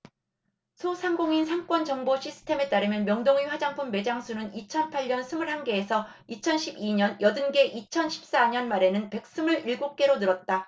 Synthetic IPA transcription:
sʰosʰaŋɡoŋinsʰaŋk͈wʌnt͡ɕʌŋboɕʰisʰɯ̥tʰe̞me̞t͈aɾɯmjʌnmjʌŋdoŋiɸwad͡ʑaŋpʰumːe̞d͡ʑaŋsʰunɯnit͡ɕʰʌnpʰaʎɲʌnsʰɯmɯɭhaŋɡe̞ːsʰʌit͡ɕʰʌnɕʰibiɲʌnjʌdɯnɡe̞ʔit͡ɕʰʌnɕʰi̥p̚s͈aɲʌnmaɾe̞nɯnpe̞k̚s͈ɯmɯɾiɭɡok͈e̞ɾonɯɾʌt̚t͈a

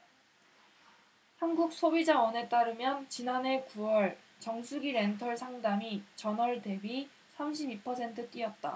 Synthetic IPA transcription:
hanɡuk̚s͈ʰobid͡ʑaʌne̞t͈aɾɯmjʌnt͡ɕinane̞kuwʌɭ | t͡ɕʌŋsʰuɡiɾe̞ntʰʌɭsʰaŋdamit͡ɕʌnʌɭte̞bi | sʰamɕ̬ʰibipʰʌsʰe̞ntʰɯt͈iʌt̚t͈a̰

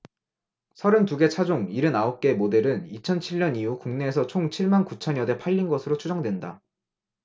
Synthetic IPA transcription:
sʰʌɾɯntuɡe̞t͡ɕʰad͡ʑoŋiɾɯnaop̚k͈e̞mode̞ɾɯnit͡ɕʰʌnt͡ɕʰiɭɲʌniukuŋne̞ːs̬ʰʌt͡ɕʰoŋt͡ɕʰiɭmankut͡ɕʰʌɲjʌde̞pʰaʎːinɡʌsʰɯɾot͡ɕʰud͡ʑʌŋdwe̞nda

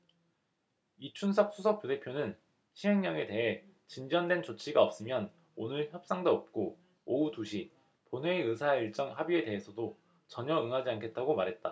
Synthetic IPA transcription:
it͡ɕʰunsʰʌk̚s͈ʰusʰʌk̚p͈jode̞pʰjonɯn | ɕʰiɦeŋɲʌŋe̞te̞ɦe̞ | t͡ɕind͡ʑʌndwe̞nt͡ɕot͡ɕʰiɡaʌp̚s͈ɯmjʌn | onɯɭçjʌp̚s͈aŋdoʌp̚k͈o | outuɕʰi | ponweɯsʰaeiɭt͡ɕ͈ʌŋɦabie̞de̞ɦe̞sʰʌdo | t͡ɕʌɲʌɯŋɦad͡ʑiankʰe̞t̚t͈aɡomaɾɦe̞t̚t͈a

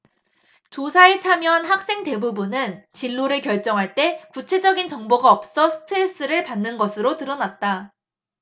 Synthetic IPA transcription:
t͡ɕosʰaet͡ɕʰamjʌnɦak̚s͈e̞ŋte̞bubunɯnt͡ɕiɭːoɾɯɭkjʌɭt͡ɕ͈ʌŋɦaɭt͈e̞kut͡ɕʰe̞d͡ʑʌɡint͡ɕʌŋboɡaʌp̚s͈ʌsʰɯ̥tʰeɭs͈ɯɾɯɭpanːɯnɡʌsʰɯɾotɯɾʌnat̚t͈a

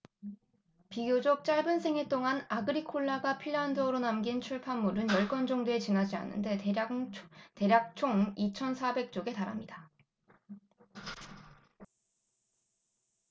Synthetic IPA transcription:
piɡjod͡ʑok̚t͡ɕ͈aɭbɯnsʰe̞ŋe̞t͈oŋanaɡɯɾikʰoɭːaɡapʰiɭːandʌɾonamɡint͡ɕʰuɭpʰamːuɾɯnjʌɭk͈ʌnd͡ʑʌŋdoe̞t͡ɕinad͡ʑia̰nːɯ̰nde̞ | te̞ɾjak̚t͡ɕʰoŋit͡ɕʰʌnsʰabe̞k̚t͡ɕ͈oɡe̞taɾa̰mɲida

